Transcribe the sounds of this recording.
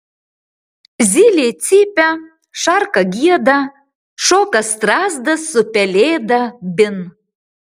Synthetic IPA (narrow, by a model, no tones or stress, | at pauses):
zʲilʲet̪t͡sʲipʲæ | ʃɑrkɐɡʲiɛd̪ɐ | ʃokɐst̪rɑzd̪ɐsːʊpʲɛlʲeːd̪ɐbʲɪn